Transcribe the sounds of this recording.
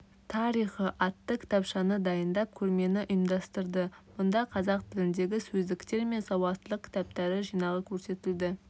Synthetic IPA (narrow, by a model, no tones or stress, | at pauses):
t̪ʰɑɾijχəʔɑt̪ːəkʲʰɪ̥t̪ɑpʃɑnəd̪ɑjənd̪ɑp̚kʲʰɵɾme̞nɪʔʊjəmd̪ɑst̪əɾd̪əmʊnd̪ɑqʰɑzɑqt̪ɪlɪnd̪e̞ɡʲɪsɵzd̪ɪkt̪e̞ɾme̞nsɑwɑt̪t̪əlˠəq̚kʲʰɪ̥t̪ɑp̚t̪ɑɾɪʒijnɑʁəkʲʰɵɾse̞t̪ɪld̪ɪ